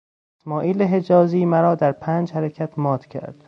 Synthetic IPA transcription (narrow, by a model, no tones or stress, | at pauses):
esmɒːʔiːleɦed͡ʒɒːziːmæɾɒːd̪æɾpʰæːnd͡ʒhæɾecʰæt̪ʰmɒːd̪̥cʰæ̰ɾd̪̥